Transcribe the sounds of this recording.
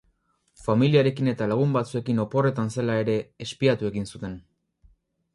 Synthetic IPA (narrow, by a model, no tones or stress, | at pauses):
familiaɾe̞kine̞t̪alaɣ̞umbat͡sue̞kino̞po̞re̞t̪anse̞lae̞ɾe̞ːspiat̪ue̞ɣinsut̪e̞n